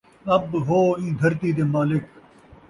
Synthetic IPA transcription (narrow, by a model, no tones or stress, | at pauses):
ɐbɦoːĩːɡ̪ʱɐɾt̪iːd̪̬eːmaːlɪk